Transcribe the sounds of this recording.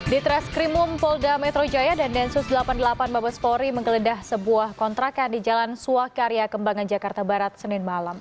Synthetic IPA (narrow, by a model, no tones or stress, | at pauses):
dit̪ɾɛskɾimʊmpɔldamɛt̪ɾod͡ʒajadandɛnsʊsdəlapandəlapanbabaspɔɾiməŋɡələdahsəbuahkɔnt̪ɾakandid͡ʒalansuakaɾijakəmbaŋand͡ʒakart̪abaɾat̪̚sənɪnmalam